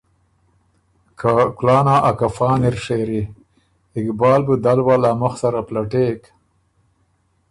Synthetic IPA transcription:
kʰaklɑːnaʔakafɑːniɾʂeɾi | ɪkbɑːlbəd̪alwalaməxsaɾaplaʈeːk

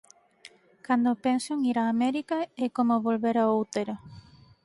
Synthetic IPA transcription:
kand̪opensoŋiɾaːmeɾikaekomoβolβeɾaowt̪eɾa

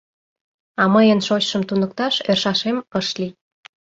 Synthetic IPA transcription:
ɑməjənʃot͡ɕʃəmt̪unək̚t̪ɑʃerʃɑʃeməʃli

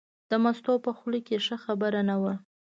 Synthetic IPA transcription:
d̪̥əmast̪opəxlikeʂəxabəɾanawə

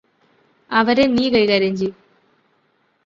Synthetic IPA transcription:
ɐʋɐɾeniːkɐjikaːɾɐɲd͡ʑi

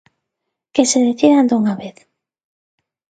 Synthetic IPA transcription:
keseðeθiðand̪uŋaβeθ

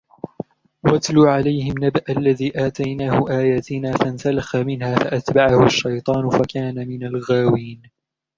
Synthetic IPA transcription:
wat̪luːʕalajhɪmnabʔalːaðiːʔaːt̪ajnaːhʊʔaːjaːt̪ɪnaːfansalaxamɪnhaːfaʔat̪baʕahʊaʃːɑjt̪ˤɑːnʊfakaːnamɪnalɣaːwiːn

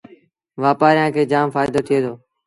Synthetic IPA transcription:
ʋaːpaːɾɪjãːkʰeːd͡ʒaːmfaːɪd̪oːt̪ʰɪjeːd̪oː

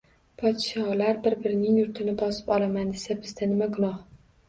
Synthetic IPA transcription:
pʰɒt̪ʃɒlaɾbɪɾbɪɾɪnɪŋjʊɾt̪ʰɪnɪbɒsɪ̥pɒlamand̪esabɪzd̪anɪmaɡʊnɒh

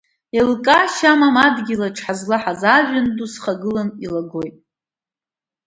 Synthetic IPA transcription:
elkʼaʃamamadɡʲilaʈ͡ʂʰħazlaħazaʒʷᶣandusχaɡɨlanilaɡo̞jtʼ

